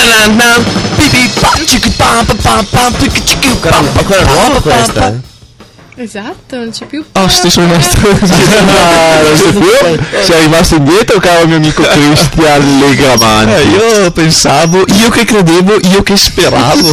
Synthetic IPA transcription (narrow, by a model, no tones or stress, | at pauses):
anaapibipat͡ʃikipapapapapkit͡ʃi̥kiapːakɔakapa | ezat̪ːonont͡ʃɛpjuɔst̪esoenɔst̪ɾ | aɔst̪ofiosearivast̪oind̪jeːt̪ɾokaːɾoamioamiːkokɾist̪ialːeɡɾamanɛiːopensaːvoʔiːokekːɾed̪eːvoʔiːokespeɾaːvo